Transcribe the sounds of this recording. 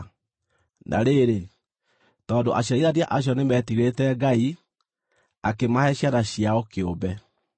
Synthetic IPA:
nʔa̰ɾeɾe | tɔːndoʔaɕaiɾaɾiaʔaɕ̬jɔnemɛtiɾetɛɡai | akemahɛɕjaɾaɕiaɔkeobɛ

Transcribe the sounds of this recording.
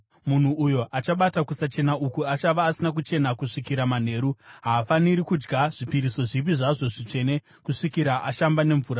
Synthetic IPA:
mun̤uʔujo̞ʔat͡ʃaɓatakusat͡ʃe̞naʔukuat͡ʃaʋaːsinakut͡ʃe̞nakuʂikiɾaman̤e̞ːɾuɦaːfaniɾikud͡ʒɡaʐ̥ipiɾiso̞ʐip̬iʐaʐo̞ʐit͡ʂe̞ne̞ | kuʂikiɾaʔaʃambane̞ɱvuːɾa

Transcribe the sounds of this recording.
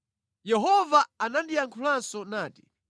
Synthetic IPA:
jɛɦɔvaanandijaŋkʰulansɔnaːti̥

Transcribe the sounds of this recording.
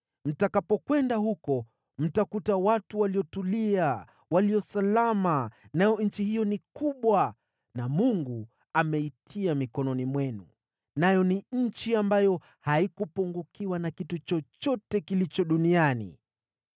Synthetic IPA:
m̩takapɔkwɛndahukɔ | m̩takutawatuwaliɔtulia | waliɔsalamanajɔɲ̩t͡ʃihijɔnikuɓwa | namuŋɡu | amɛitʰiamikɔnɔnimwɛnṵ | najɔniɲ̩t͡ʃiambajɔ | haikupuŋɡukiwanakitut͡ʃɔt͡ʃɔtɛkilit͡ʃɔɗunianḭ

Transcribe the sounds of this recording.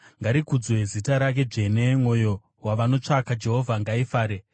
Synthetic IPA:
ŋɡaɾikud͡zwe̞zitaɾak̬e̞d͡ʐe̞ne̞mwo̞jo̞ | waʋano̞t͡ʂakad͡ʒe̞ɦo̞vʱaŋɡaifaːɾe

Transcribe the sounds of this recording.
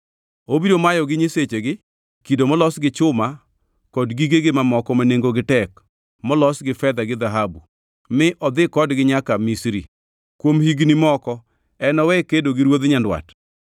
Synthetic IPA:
obiɾomajɔɡɪɲeset͡ʃeɡɪ | kidomɔlɔsɡɪt͡ʃʊma | kɔdɡiɡeɡɪmamɔkɔmaneŋɡoɡɪtɛk | mɔlɔsɡɪfɛd̪aɡɪd̪aɦabu | mɪʔɔd̪ɪkɔdɡɪɲakamisɾḭ | kwomhiɡnimɔkɔ | ɛnɔwɛkːedoɡɪɾwod̪ɲandwa̰t

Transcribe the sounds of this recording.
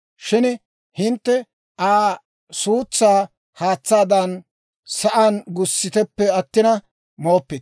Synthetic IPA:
ʃɪn | hɪnt̪ːɛ | ʔaː | suːt͡sːaː | haːt͡sːaːd̪ɐn | sɐʔanɡʊsːɪt̪ɛpːɛɐt̪ːɪnɐ | moːpːɪt̪

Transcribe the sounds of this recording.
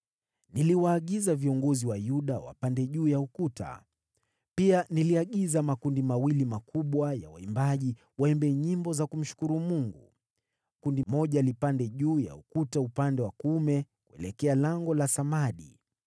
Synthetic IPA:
niliwaːɠizaviɔŋɡɔziwajuɗawa̰pandɛʄuːjaukuta̰ | pianiliaɠizamakundimawilimakuɓwaja̰wa̰imbaʄi | waɛmbɛɲimbɔzakum̩ʃu̥kuɾumuŋɡu | kundimɔʄalipandɛʄuːja̰ukutaupandɛwakumɛ | kuɛ̰lɛkɛalaŋɡɔlasamaɗi

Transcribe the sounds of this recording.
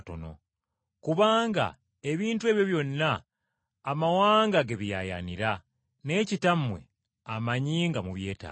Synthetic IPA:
to̞̰no̰ | kuβaːŋɡa̰ | e̞βiːntuwe̞ːβjo̞βjo̞nːaː | mawaːŋɡaɡe̞βijaja̰niɾa | ne̞citamwe̞̰ | amaɲiːŋɡamuβje̞ːta̰

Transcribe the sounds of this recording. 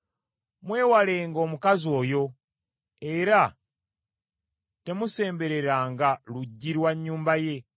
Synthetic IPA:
mwe̞ːwale̞ːŋɡo̞ːmukazio̞ːjo̞ | e̞ɾa | te̞muse̞ːmbe̞ɾe̞ɾaːŋɡaluɟːiɾwaɲːuːmbaje̞

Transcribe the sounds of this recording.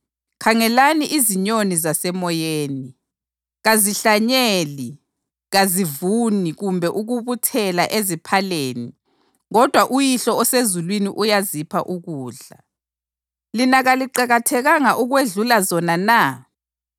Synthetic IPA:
kʰaŋɛlaniʔiziɲonizasɛmɔjeːni | ɣaziɬaɲeːli | ɣazivuniɣumbʱɛʔuɣuβutʰɛlaʔezipʰaleːni | ɣɔd̥ʱwaʔujiɬɔɔsezulwiniʔujazipʰa̰ʔuɣuːɮa̰ | linaɣaliǃaɣatʰɛɣaŋaʔuɣweɮulazɔnana

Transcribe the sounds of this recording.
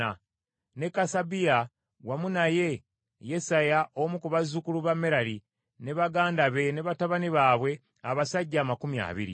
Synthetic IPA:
a | ne̞kasabija | wamunaje̞ | je̞sajaomukuβazukuluβameɾaɾi | ne̞βaɡaːndaβe̞ne̞βataβaniβaːβwe̞ | aβasaɟːaːmakumja̰ːβḭɾḭ

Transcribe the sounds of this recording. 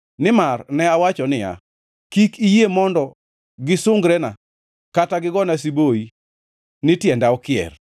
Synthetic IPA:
nɪmarnɛawat͡ʃɔnɪja̰ | kikijemɔndɔ | ɡɪsʊŋɡɾɛna | kataɡɪɡɔnas̬iboi | nɪtjɛndaɔkɪɛ̰r

